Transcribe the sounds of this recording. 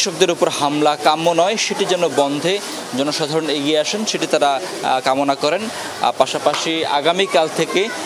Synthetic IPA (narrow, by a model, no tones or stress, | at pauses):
ʃok̚d̪eɾupoɾhamlakamːonɔeʃeʈid͡ʑɛnːobɔnd̪ʱe | d͡ʑɔnoʃad̪ʱaɾoneɡieaʃenʃeʈit̪aɾa | kamonakɔɾen̰ | paʃapaʃia̰ɡamikalt̪ʰeke